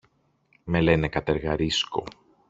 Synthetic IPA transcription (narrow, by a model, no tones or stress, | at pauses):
me̞le̞ne̞kɐt̪eɾɣɐɾisko̰